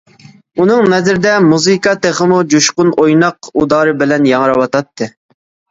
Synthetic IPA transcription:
unɨŋnɛzɪɾɪd̪ɛmuzɨkɑt̪eχəmud͡ʒuʃqʊnʔojnɑqud̪ɑːɾɨbɪlɛnjɑŋəɾɑwɑt̪ɑt̪ʰːɨ

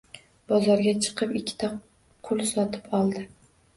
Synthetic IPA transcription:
bɒzɒɾɡʲat͡ʃʰɨ̥qʰɨpɪkʲʰːɪ̥t̪ʰa | qʰʊlˠsɒt̪ʰɪpɒlˠd̪ɪ

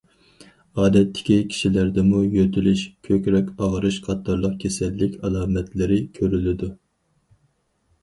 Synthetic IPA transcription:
ɑːd̪ɛt̪ʰːɪ̥kʲikʲʰi̥ʃilæɾd̪ɛmujøt̪ʰɪlyʃkʲʰøkʲɾɛkʲɑʁɾɨʃqʰɑt̪ʰːɑɾlˠəq̚kʲʰesɛlːɪkʲɑlˠɑːmɛt̪lɪɾɪkʲʰøɾylɪd̪u

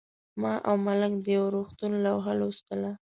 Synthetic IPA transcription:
mɑʔawmaləkd̪əjawɾoxt̪unlawɦəlust̪əla

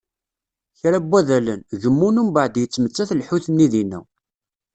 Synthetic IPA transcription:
çɾæbːæðælənʝəmːunumbaʕd̪jət͡sːmət͡sːæθlħuθənːiðinːæ̰

